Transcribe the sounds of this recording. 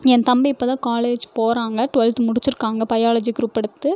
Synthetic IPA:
ɛnt̪ɐmbɪpːɐðãːkaːleːd͡ʒpoːɾaːŋɡɐʈʊʋɐlt̪mʊɽɪt͡ʃːɪɾɯkːaːŋɡɐpɐjaːlɐd͡ʒikʊɾʊpːɐɽɯt̪ːɯ

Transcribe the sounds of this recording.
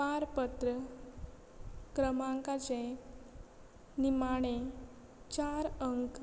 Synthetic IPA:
paɾpət̪ɾə | kɾəmaŋkat͡ɕẽ | nimaɽ̃e | t͡ɕaɾəŋk

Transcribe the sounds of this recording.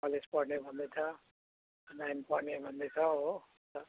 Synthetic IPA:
pʌlespʌɽnebʱʌnd̪et͡sʰʌ | najnpʌɾnebʱʌnd̪et͡sʰʌɦo | t̪ʌ

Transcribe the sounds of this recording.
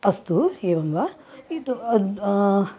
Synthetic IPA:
ɐst̪ueːʋɐŋɡʋa | it̪

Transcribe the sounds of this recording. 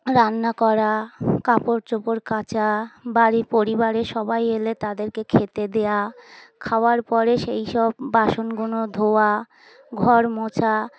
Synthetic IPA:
ɾanːakɔɾakapoɾt͡ɕopoɾkat͡ɕabaɾipoɾibaɾeʃɔbajelet̪ad̪eɾkekʰet̪ed̪ejakʰaoaɾpɔɾeʃejʃɔbːaʃonɡunod̪ʱoa | ɡʱɔɾmot͡ɕʰa

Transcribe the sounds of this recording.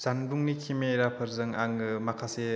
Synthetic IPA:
z̥anbuŋnikʰimeɾapʰɯɾzɯŋaŋɯmakʰase

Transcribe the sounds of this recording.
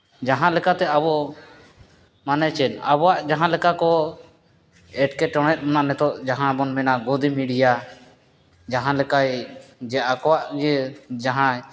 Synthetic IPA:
d͡ʒaɦãlɛkat̪ɛabɔ | manɛt͡ʃɛna̰bɔwaʔd͡ʒaɦãlɛkakɔ | ɛʈkɛʈɔɽ̃ɛt̪̚ˀmananɛt̪ɔʔd͡ʒaɦãbɔnmɛnaɡɔd̪imiɖija | d͡ʒaɦãlɛkajd͡ʒɛakɔwaʔd͡ʒɛd͡ʒaɦã

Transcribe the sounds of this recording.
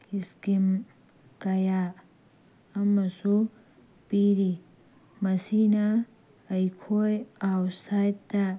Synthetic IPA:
iskim | kɐja | ɐmːɐsu | piɾi | mɐsinaː | jkʰojawsajt̪ːa

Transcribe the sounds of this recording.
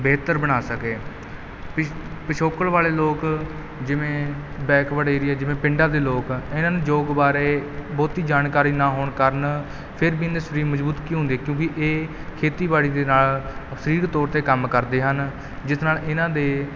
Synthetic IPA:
beːt̪əɾbəɽ̃aːsəkeː | pəʃʰoːkəɭʋaːleːloːk | d͡ʒɪʋẽː | bɛːkʋəɽeːɾiːɛːd͡ʒɪʋẽːpɪɳɖaːd̪eːloːkɪnãːnũːd͡ʒoːɡbaːɾeːbɔːt̪iːd͡ʒaːnkaːɾiːnaːɦoːɳkəɾən | pʰɪɾbiːnd̪esəɾiːməzbuːt̪kĩːɦʊ̃nd̪iːɛkjõːkɪʔeː | kʰeːt̪iːbaːɽiːd̪eːnaːlsəɾiːɾt̪ɔːɾt̪eːkəmkəɾd̪eːɦən | d͡ʒɪsnaːlɪnãːd̪eː

